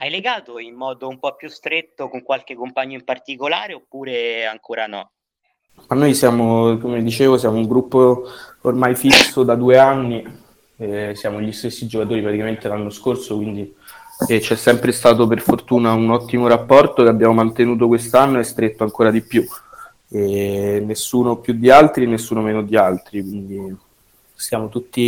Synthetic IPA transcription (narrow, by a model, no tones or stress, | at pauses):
ajleɡaːt̪oimːɔːd̪oumpɔpːjust̪ɾet̪ːokoŋkwalk̟ekːompaɲːoimpart̪ikolaːɾeopːuːɾeaŋkoːɾanɔ̰ | manːojsjaːmokomed̪it͡ʃeːvosjaːmouŋɡɾupːoormajfisod̪ad̪uːeanːi | ɛsjaːmoʎist̪esːid͡ʒokat̪oːɾipɾat̪ikament̪elanːoskorsokwind̪i | ɛt͡ʃɛsːɛmpɾest̪aːt̪op̬erfort̪uːnaunɔt̪ːimoɾapːɔrt̪okeabjaːmomant̪enuːt̪̬okwest̪anːoɛst̪ɾet̪ːoaŋkoːɾad̪ipːju | enːesːuːnopjud̪ːialt̪ɾinesːuːnomeːnod̪ialt̪ɾikwind̪i | sjaːmot̪ut̪ːi